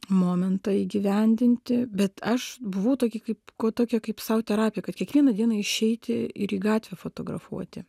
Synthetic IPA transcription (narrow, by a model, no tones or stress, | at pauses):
moːmʲɛnt̪ɐiːɡʲɪʋʲɛnʲd̪ʲɪnʲt̪ʲɪbʲɛt̪ɐʃbʊʋɐʊt̪oːkʲɪkɐɪpkoːt̪oːkʲɛkɐɪpsɐʊt̪ʲɛɾɑːpʲɪjɛkɐt̪kʲiɛkʋʲiɛnɐd̪ʲiɛnɐɪʃʲɛɪt̪ʲɪɪɾiːɡɑːt̪ʲʋʲɛfoːt̪oːɡrɐ̰fṵɔt̪ʲɪ